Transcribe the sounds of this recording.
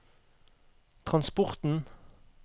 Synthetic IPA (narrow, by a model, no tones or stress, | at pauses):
t̪ʰʁɑnspɔʁt̪n̩